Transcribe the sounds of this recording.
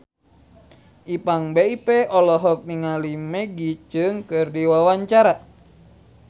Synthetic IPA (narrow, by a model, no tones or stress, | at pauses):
ʔipaŋbeipɛʔɔlɔɦɔk̚niŋalimɛɡit͡ʃɨŋkɨrdiwawaɲt͡ʃaɾa